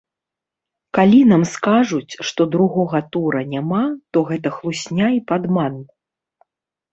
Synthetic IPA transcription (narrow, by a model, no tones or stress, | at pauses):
kalʲinamskaʐut͡sʲʂt̪ɔd̪ɾuɣɔɣɐt̪uɾɐnʲamat̪ɔɣɛt̪ɐxlˠusʲnʲaipad̪manːɐ